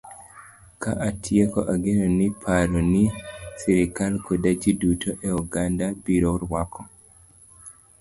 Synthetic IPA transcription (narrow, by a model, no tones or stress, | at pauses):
kaʔatʰjekɔʔaɡenɔnipʰaɾɔnisiɾikalkʰodad͡ʒidutʰoʔɛɔɡandabiɾoɾwakʰɔ